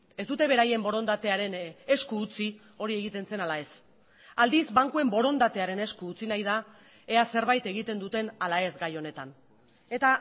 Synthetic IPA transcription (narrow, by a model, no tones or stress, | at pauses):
e̞sd̪ut̪e̞βe̞ɾaje̞mbo̞ɾo̞nd̪at̪e̞aɾe̞ne̞skuːt͡si | o̞ɾie̞ɣit̪e̞nse̞nalae̞s | ald̪izbaŋkue̞mbo̞ɾo̞nd̪at̪e̞aɾe̞ne̞skuːt͡sinajð̞a | ease̞ɾβajt̪e̞ɣit̪e̞nd̪ut̪e̞nalae̞zɡajo̞ne̞t̪an | e̞t̪a